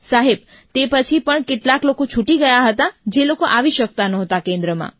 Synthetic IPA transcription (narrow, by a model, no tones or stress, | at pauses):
saɦeb̚ | t̪epət͡ʃʰipəɳkeʈlaklokot͡ʃʰuʈiɡəjaɦət̪ad͡ʒelokoʔaʋiʃək̚t̪anɔɦt̪akẽnd̪ɾəmã̰